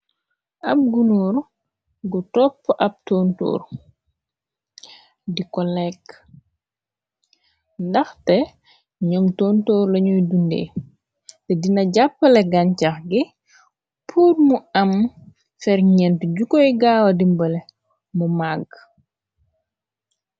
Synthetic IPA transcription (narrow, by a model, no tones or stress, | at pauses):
ʔɐp̚ɡunɔːɾ | ɡutɔpːʔɐp̚tɔntɔ̰ːr | dikɔlɛk | ndɐxtɛ | ɲɔmtɔːntɔːɾlɐɲujdundḛː | tɛdinɐɟapːəlɛɡancaxɡi | pʰuːɾmuɐm | fɛɾɲɛntɟukɔjɡaːwɐdimbəlɛ | mumaɡ